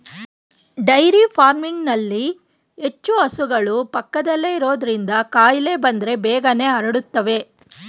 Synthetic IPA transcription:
ɖɐjɾipʰaːɾmiŋɡnɐlːi | e̞t͡ʃːuɐsuɡɐɭupɐkːɐd̪ɐlːe̞iɾo̞ːd̪ɐɾind̪ɐkaːjile̞bɐnd̪ɾe̞bɛːɡɐne̞ːɐɾɐɽut̪ːɐʋe̞

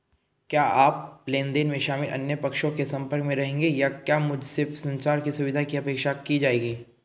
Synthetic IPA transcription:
kjaːʔaːp̚lẽːnd̪eːnmẽʃaːmɪlʔɐ̰njəpɐkʃõkesɐ̃mpəɾkmẽɾɐɦẽːŋɡejakjaːmʊd͡ʒʱsɪfsɐ̃ɲt͡ʃaːɾkisʊʋɪd̪ʱakiɐpeːkʃakid͡ʒaːeːɡiː

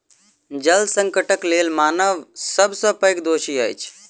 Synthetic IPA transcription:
d͡ʒəlsə̃ŋkəʈəkleːlmaːnəʋsəbsə̃pəjkd̪oːʃiajt͡ʃʰ

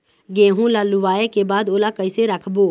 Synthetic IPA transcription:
ɡẽːɦũlaːlʊʋaːekebaːd̪oːlakəɪseɾəkʰboː

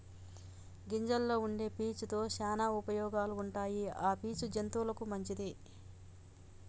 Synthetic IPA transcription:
ɡiɲd͡ʒɐlːo̞ːuɳɖe̞ːpiːt͡ʃut̪o̞ːʃaːnaːupɐjɔːɡaːluːɳʈaːjiaːpiːt͡ʃud͡ʒent̪uːlɐkumɐɲt͡ʃid̪i

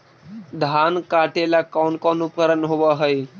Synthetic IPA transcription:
d̪ʱankaʈelakɔnkɔnupəɾənɦoʋəɦəj

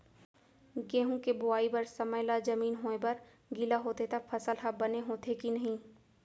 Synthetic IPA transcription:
ɡẽːɦũkebʊaːibɐɾsɐməjlad͡ʒɐmiːnɦoːebɐɾ | ɡɪlaɦoːt̪et̪ʰapʰɐsəlɦɐbɐneɦoːt̪ʰekinɐɦĩ

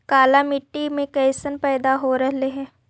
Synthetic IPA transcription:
kaːlamɪʈːimẽkɛɪsənpɛːd̪aɦoɾɐɦleɦɛ̃ː

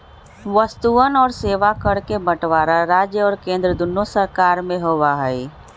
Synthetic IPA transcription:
ʋəst̪uənɔːɾseːʋakəɾkebəʈʋaːɾaɾaːd͡ʒjəɔːɾkẽːnd̪ɾəd̪ʊnːosəɾkaːɾmẽɦoːʋaɦɛi

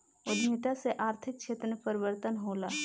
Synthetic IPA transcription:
ʊd̪mɪt̪aseʔaːɾt̪ʰɪk̚t͡ʃʰeːt̪ɾmepəɾɪʋəɾt̪ənɦoːlaː

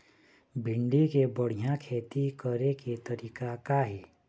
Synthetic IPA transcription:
bʱɪ̃ɳɖikebəɽ̤ijãkʰeːt̪ikəɾeket̪əɾiːkakaɦɛː

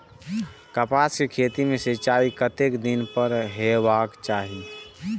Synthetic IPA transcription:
kəpaːskekʰeːt̪imẽsit͡ʃaːikət̪eːkd̪ɪnpəɾɦebaːkt͡ʃaːɦi

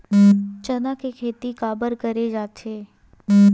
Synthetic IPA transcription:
t͡ʃɐnakekʰeːt̪ikaːbəɾkɐɾed͡ʒaːt̪ʰeː

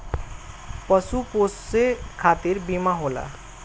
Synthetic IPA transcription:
pəsupossekʰat̪iɾbimaɦola̰

